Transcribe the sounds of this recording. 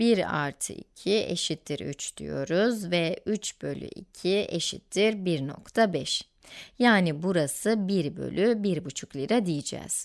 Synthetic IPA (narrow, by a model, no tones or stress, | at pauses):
biɾa̰ɾt̪ʰɯ̰ḭcʰiḛʃit̪ʰːiɾy̰t͡ʃd̪̥y̰jo̞ɾuzvɛyt͡ʃb̥ø̞lʲy̰ʔicʰie̞̰ʃḭt̪ːiɾbiɾno̞̰kt̪ʰabɛʃ | jaːnibuɾasɯbiɾbø̞̰lʲybiɾbut͡ʃʰuklʲˠiɾad̪ijid͡ʒɛ̰z̥